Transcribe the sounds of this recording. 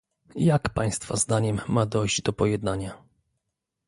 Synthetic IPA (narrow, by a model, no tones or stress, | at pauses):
jakpaj̃st̪fa̰zd̪aɲɛmːad̪ɔjʑd͡ʑd̪ɔpɔjɛd̪naɲa